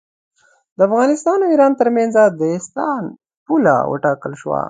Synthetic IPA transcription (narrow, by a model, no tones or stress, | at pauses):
d̪əafɣɑnɪst̪ɑnawiɾɑnt̪əɾmanzad̪əɪst̪ɑn | pula̰wə̰ʈɑkəlʃwa̰